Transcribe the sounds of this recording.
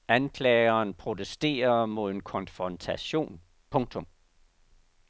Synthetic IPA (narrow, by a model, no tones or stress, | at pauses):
ænkʰlɛːɐːnpʰʁo̝t͡sʰesd̥e̝̰ːɐmo̝ðˠn̩kʰɒ̽nfʁɒnt͡sʰæɕo̝̰ːn | pʰɔ̽ŋt͡sʰɔ̽m